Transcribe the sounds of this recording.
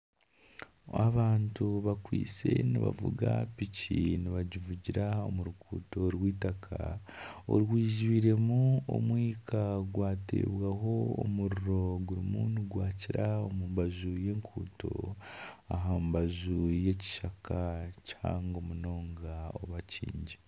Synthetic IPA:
aβaːntuβakwḭːt͡se̞̰niβa̰vṵɡapiciniβaɟivuɟiɾao̞muɾukṵːto̞ɾwiːtakʰa̰o̰ɾwiːʒiβiɾe̞muo̰mwiːkʰaɡwaːte̞̰βwaɦo̞o̰muɾuɾo̞ɡuɾimuːnuɡwaːciɾaomumbazuje̞ːŋkʰuːto̞̰ | aɦambazuje̞ci̥ʃakacha̰ːŋɡo̞muno̞ːŋɡao̞̰βacḭːɲɟe

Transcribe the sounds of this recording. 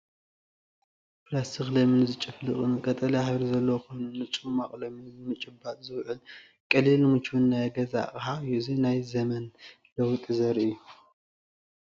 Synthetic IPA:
pɾasɨxlɐmɨnzɨt͡ʃʼɨflɨχʼɨnɨkʼɐt̪ʼɐlɐjħβɾzɐlːɐwokʰo̞jnunːɨt͡ʃʼumaχʼlɐmɨnɨmɨt͡ʃʼɨbat̪ʼzɨwʕɨl | kʼɐlilːɨmɨt͡ʃʰwɨnːajɡɐza̰χʼhaɨjːuzinajzɐmɐn | lɐwut̪ʼizɐɾɨjːu

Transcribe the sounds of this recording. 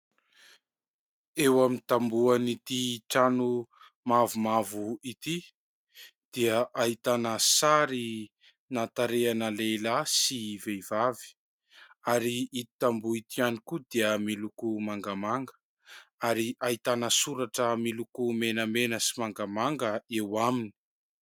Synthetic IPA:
ewamint̪ambuanit̪iʈ͡ʂanu | mavumavuit̪i | d̪̥iəʔaɦit̪anəsaɾi | nat̪aɾeanəlelasiveivavi̥ | aɾiit̪it̪ambuit̪ianikud̪iəmilukumaŋɡamaŋɡə̥ | aɾiʔaɦit̪anəsuɾaʈ͡ʂəmilukumenəmenəsimaŋɡamaŋɡəewamini̥

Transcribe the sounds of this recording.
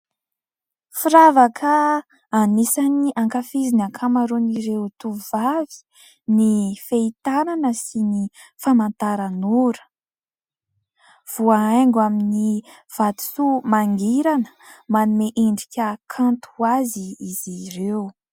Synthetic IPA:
fiɾavakʰə | anisaniʔaŋkafizinakʰamaɾoniɾewt̪uvavi̥ | nifeit̪ananəsini | famant̪aɾanuɾə̥ | v̥uaaŋɡamini | v̥at̪u̥sumaŋɡiɾanə̥manumeʔeɳɖ͡ʐikʲəkʰant̪uaziːziɾew

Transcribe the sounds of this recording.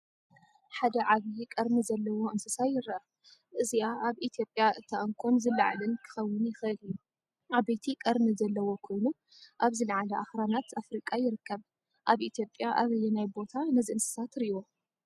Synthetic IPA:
ħad̪ɐʕaβijkʼɐɾmizɐlːɐwo̞ʔɨnsɨsajːɪɾɐʔɐ | ʔɨziaaβit̪ʰjo̞pʼːjaʔɨt̪ʰːaʔɐŋkʷʰʼonzɨlːa̰ʕlɨnkʰɨ̥xɐwːɨnjɪxʔɨlijːu | ʔaβet̪ʰikʼɐɾmizɐlːɐwo̞kʰojnu | ʔaβzɨlʕalɐʔaxɾanat̪afɾikʼajɪɾɨkːɐβ | ʔaβʔit̪ʰjo̞pʼːjaʔaβɨjːɛnajbo̞t̪ʰanɐziʔɨnsɨ̥sat̪ɾiwo

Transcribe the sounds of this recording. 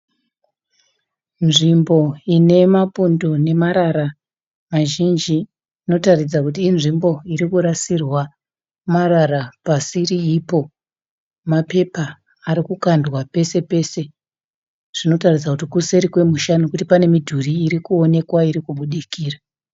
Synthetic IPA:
nʐimbo̞ine̞mapundone̞maɾaɾa | maʒind͡ʒiː | no̞tarid͡zakutiːnʐimbo̞iɾikuɾasirwa | maɾarapasiɾiipo̞ | mape̞paː | ɾikukandwape̞se̞pe̞se̞ | ʐ̥ino̞tarid͡zakutikuse̞ɾikwe̞muʃanukutipane̞midʱuriːɾikuo̞ne̞kwaiɾikuɓuɗikiːra

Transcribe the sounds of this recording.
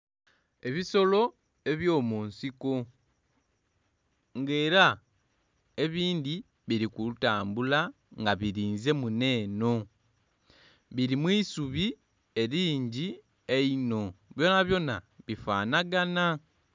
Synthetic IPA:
e̞βiso̞lo̞ | e̞βjo̞ːmuːnsiko̞ | ŋɡe̞ːɾa | e̞βiːnd̪i | βiɾikuutaːmbula | ŋɡaβiɾiːnze̞mune̞ːno̞ | βiɾimwisuβi | e̞ɾiːɲɟi | e̞ino̞βjo̞naβjo̞naβifaːnaɡana

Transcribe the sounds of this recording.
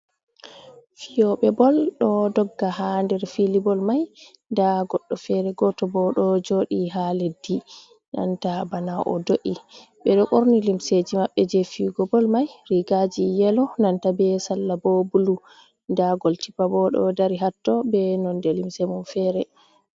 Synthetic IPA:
fijɔɓɛbɔlɗɔdɔɡːaɦandɛɾfilibɔlmaj | ndaɡɔɗːɔfɛɾɛɡɔtɔbɔɗɔd͡ʒoɗiɦaledːi | na̰ntabanaʔɔ̰doʔi | bɛɗɔkʼoɾnilimsed͡ʒimaɓːɛd͡ʒɛfiɡɔbɔlmajɾiɡad͡ʒijɛlɔnantabɛsalːabɔbulu | ndaɡoltipabɔɗɔ̰daɾiɦatːɔbɛnɔndɛlimsemunfɛɾɛ

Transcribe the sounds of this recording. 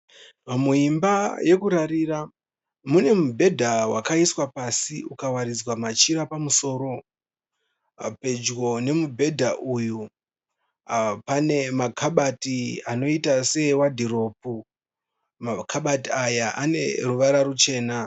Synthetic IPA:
mamuimbaje̞kuɾaɾira | mune̞mubʱe̞dʱawakaiswapasiukawaɾid͡zwamat͡ʃiɾapamuso̞ːɾo̞ | pe̞d͡ʒɡo̞ne̞mubʱe̞dʱaʔuju | pane̞makʰaɓatiano̞itase̞wadʱiro̞pu | makʰaɓatiajaʔane̞̰ruʋaɾarut͡ʃe̞ːna

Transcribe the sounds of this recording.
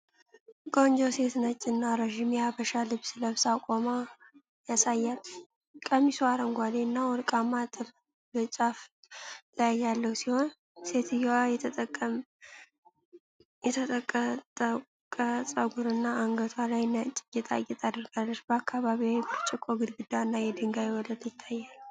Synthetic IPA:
ɡʼond͡ʒose̞t̪nət͡ʃʼːɨnːaɾoʃimijabəʃalɨβsɨləβsakʼoma | jasajːal | kʼəmisuaɾəŋɡʷad̪enːawɔɾkʼamːat̪ʼɨl | bɨt͡ʃʼaf | lajːalːəwsiho̞n | se̞t̪ʰɨjwajɛəəkʼːəm | jɛt̪ʰət̪ʼəkʼːət̪ʼə | kʼəsʼəɡuɾɨnːaːŋɡət̪ʰwalajnat͡ʃʼɪjɛt̪ʼa̰jːɛt̪ʼad̪əɾɡalːət͡ʃbəakʰːaβaβiajbɨt͡ʃʼɪkʼːoɡɨd̪ɡɨd̪aɨnːajɛd̪ɨŋɡajɛwɔləd̪jɪt̪ʰːajːal

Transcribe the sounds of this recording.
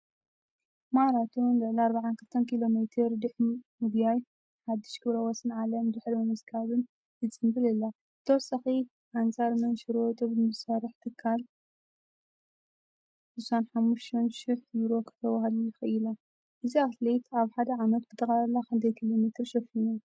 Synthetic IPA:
maɾat̪ʰunlɨʕliaɾbaʕankʰɨlt̪ʰɐnkʰilo̞met̪ʰɨɾd̪ɨħmɨɡjaj | ħad̪ːɨʃkʰɨβɾɐwɐsɨnʕalɐmdɨħlmɐmɐskʰaβɨn | jɨt͡sʼɨmbɨlɐlːa | t̪ʰɐwsɐxi | ʔant͡sʼaɾmɐnʃɨɾwɔt̪ʼobɨmɨsfaɾɨħt̪ʰɨkʰːal | sɨsanħamːuʃt̪ʰɐnʃɪħjuɾo̞kʰɐ̥t̪ʰɐwaɦɐluixɐjila | ʔɨziat̪lejt̪aβħad̪ɐʕamɐt̪̚bɨt̪ʰʼɐxalɐlːaxɨnt̪ʰɐjkʰilo̞met̪ʰɨɾʃɐfinu

